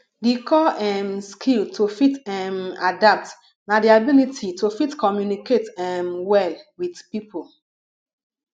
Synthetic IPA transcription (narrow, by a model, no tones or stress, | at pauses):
dikʰɔɛmskʰiltʰofitɛma̰dap̚t | nadiabilitʰitofitkʰɔmjuniketɛmwɛlwidpipʰol